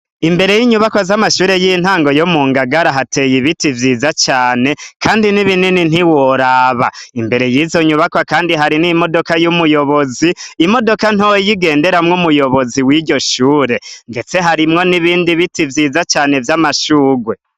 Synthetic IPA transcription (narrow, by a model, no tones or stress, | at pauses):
imbe̞ɾe̞jiɲuβakwazamaʃuːɾe̞jin̥haːŋɡo̞jomuːŋɡaɡaɾaɦate̞jiβitivjiːzat͡ʃaːne̞kʰaːndiniβininin̥hiwoɾaβa̰imbe̞ɾe̞jizoɲuβakwakaːndiɦaɾinimo̞do̞kajumujo̞βo̞ziːmo̞do̞kanojiɡe̞ːnde̞ɾamŋumujo̞βo̞ziwiːɾɟo̞ʃuːɾe̞ŋɡe̞t͡se̞ɦaɾimŋo̞niβiːndiβitivjiːzat͡ʃaːne̞vjamaʃuːɡwe̞